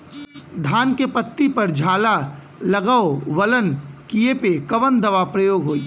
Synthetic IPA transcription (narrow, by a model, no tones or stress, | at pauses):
d̪ʱaːnkepət̪ːipɐɾd͡ʒʱaːla | lɐɡaːoʋələnkiepekɐʋənd̪ɐʋapɾəjoːɡɦoːi